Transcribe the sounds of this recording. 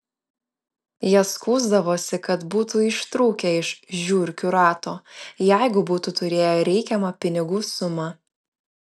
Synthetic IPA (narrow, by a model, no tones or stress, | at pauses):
jɛskuːzd̪ɐʋoːsʲɪkɐt̪buːt̪uɪʃt̪ɾuːkʲɛɪʃʒʲuːɾʲkʲʊɾɑːt̪oːjæˑɪɡʊbuːt̪ut̪ʊɾʲeːjoːɾʲɛɪkʲɛmɐpʲɪnʲɪɡuːsʊmɐ